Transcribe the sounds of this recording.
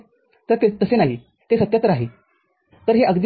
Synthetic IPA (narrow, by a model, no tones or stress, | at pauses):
t̪əɾt̪et̪əsenaɦi | t̪esət̪jãt̪ɾəaɦe | t̪əɾɦeʔəɡd̪